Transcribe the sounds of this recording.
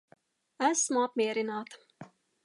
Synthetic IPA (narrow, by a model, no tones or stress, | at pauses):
æsmuapmʲiɛɾinaːt̪